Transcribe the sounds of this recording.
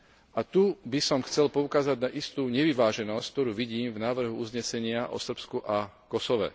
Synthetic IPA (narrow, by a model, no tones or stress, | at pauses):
at̪ubisɔmxt͡sɛlpɔukaːzaɟnaʔist̪uːɲɛʋiʋaːʒɛnɔsck̚t̪ɔɾuːʋiɟiːmvnaːʋr̩ɦuuzɲɛsɛɲɪaʔɔ̰sr̩pskuʔa | kɔsɔʋɛ̰